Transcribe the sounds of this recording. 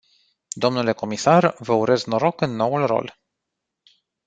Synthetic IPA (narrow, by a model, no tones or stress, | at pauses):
d̪o̞mnule̞ko̞misarvəuɾʔe̞znoɾo̞kɨnːo̞wulro̞̰l